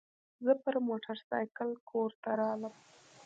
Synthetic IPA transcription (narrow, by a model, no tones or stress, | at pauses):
zəpəɾmoʈʰaɾsɑ̰jkəlkʰoɾt̪aɾɑləm